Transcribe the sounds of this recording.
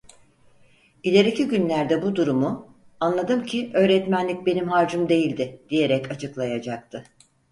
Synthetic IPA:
ilʲe̞ɾicʰiɟynlʲæɾd̪ɛbud̪uɾumu | anlˠad̪ɯmcʰiʔø̞ːɾɛt̪mænlʲic̚be̞nimɦaɾd͡ʒumd̪e̞jilʲd̪ɪd̪̥ije̞ɾɛcat͡ʃʰɯklˠajad͡ʒak̚t̪ʰɯ

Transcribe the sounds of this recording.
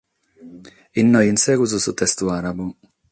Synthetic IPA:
ɪnːɔjɪnsɛɡuzusut̪ɛst̪uaɾabu

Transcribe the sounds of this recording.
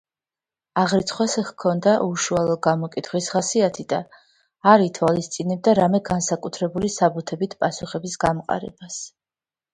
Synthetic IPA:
aʁɾit̪sʰχwasɛχkʰɔnd̪aʔuʃualˠɔd̪̚ɡamɔkʼit̪ʰχwisʁasiat̪ʰid̪aː | ɾit̪ʰwalist̪sʼinɛb̚d̪aɾamɛɡansakʼut̪ʰɾɛbulisabut̪ʰɛbit̪ʰpʼasuχɛbisɡamqʼa̰ɾɛ̰bas

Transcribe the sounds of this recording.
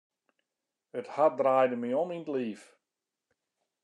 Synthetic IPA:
əthat̚draːjdəmiɔmintliːf

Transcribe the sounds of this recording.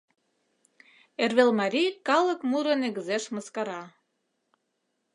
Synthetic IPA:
erβelmɑɾʲijkɑlˠɤ̆kmuɾɤ̆nĕɣɘ̆zeʃmɤskɑɾɑ

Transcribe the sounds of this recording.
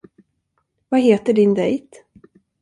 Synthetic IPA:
vaɦeːt̪əɖɪnd̪ɛjt̪

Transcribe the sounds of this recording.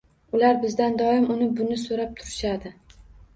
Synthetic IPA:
ʊlaɾbɪzd̪and̪ɒɪmʊnɪbʊnɪsoɾap̚t̪ʰʊɾɪʃad̪ɪ

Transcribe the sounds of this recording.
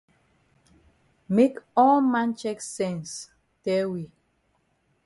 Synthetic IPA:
mekɔlmãnt͡ʃɛksɛ̃ns | tɛwi

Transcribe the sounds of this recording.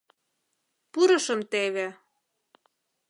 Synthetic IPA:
puɾɤ̆ʃɤ̆mt̪eβe

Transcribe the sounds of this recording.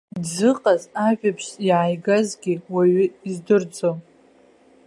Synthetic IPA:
zɨqʼazaʒᶣapʰʂiʕajɡazɡʲiwaɥɪizdɨrd͡zom

